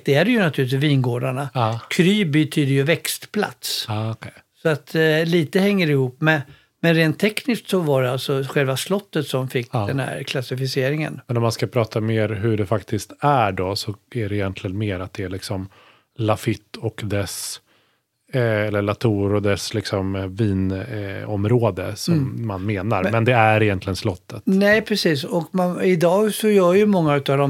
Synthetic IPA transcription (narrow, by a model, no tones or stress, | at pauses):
d̪̥ɛæɖɛjɵnat̪ʰʉːlɪt̪̬vviːnɡoːɖaɳakʰɾyːbɛt̪ʰyːd̪əjɵvɛkst̪pʰla̰t̪sɑkʰɛ | sɔat̪liːt̪əhɛŋːəɾɪhuːpːmɛ | mɛnɾeːnt̪ʰːɛknɪskt̪sɔvaɖɛalt̪sɔɧɛlvaslɔt̪ːət̪sɔmfɪkːd̪ɛnhæ̰ɾkʰlasɪfɪseːɾɪŋə̰nmɛnɔmanskapʰɾɑːt̪ʰameːɾɦɵɖɛfakt̪ɪst̪æɖɔsɔæɖɛɪjɛnt̪lɪɡənmeːɾat̪̚d̪ɛæɭɪksɔm | lafɪt̪ːɔkd̪ɛs | ɛlːəɭat̪ʰuːɾɔd̪ɛslɪksɔmviːnɔmɾoːd̪əsɔmːanmeːnaɾmɛnd̪ɛæɾɪjɛnt̪lɪɡənslɔt̪ʰːət̪nɛɪpʰɾɛsiːsɔkmanɪd̪ɑːɡsɔjœːɾjɵmɔŋːaʉ̟t̪avd̪ɔm